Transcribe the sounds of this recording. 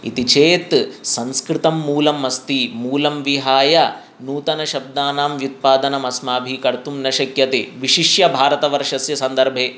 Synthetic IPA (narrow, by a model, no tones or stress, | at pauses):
ḭt̪it͡ʃeːt̪sɐ̃nskɾɪt̪ɐmːuːlɐmːɐst̪imuːlɐmʋiɦaːjɐ | nuːt̪ɐnɐʃɐb̚d̪aːnaːmjut̪̚paːd̪ɐnɐmɐsmaːbʱikɐɾt̪umnɐʃɐkjɐt̪ḛːʋiʃiʃjɐbʱaːɾɐt̪ɐʋɐɾʂɐsjɐsɐnd̪ɐɾbʱeː